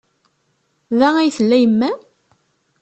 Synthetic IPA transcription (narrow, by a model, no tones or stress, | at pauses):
ðææjθəlːæjəmːæ